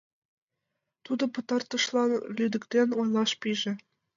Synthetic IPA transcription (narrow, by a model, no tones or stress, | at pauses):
t̪ud̪ɤ̆pɤ̆t̪ɑrt̪ːɤ̆ʂlˠɑnlʲyd̪ɘ̆kʲt̪ʲenʲojlˠɑʃpʲiʒɘ̆